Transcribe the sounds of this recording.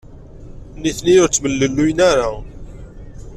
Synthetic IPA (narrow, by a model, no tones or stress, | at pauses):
niθnijʊɾt͡sːməlːəlːujnaɾa